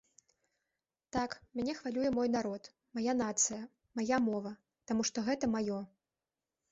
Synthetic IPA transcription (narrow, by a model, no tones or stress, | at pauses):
t̪akmʲanʲɛxvalʲujɛmɔjn̪aɾɔt̪ | majanat̪sɨjɐ | majamɔvɐ | t̪amuʂt̪ɔɣɛt̪ɐmajɔ